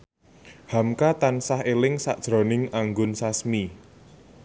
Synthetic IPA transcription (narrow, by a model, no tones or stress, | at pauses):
hamkat̪ansaɦelɪŋsaʔd̥ʒ̥ɾɔ̤nɪŋaŋɡʊnsasmi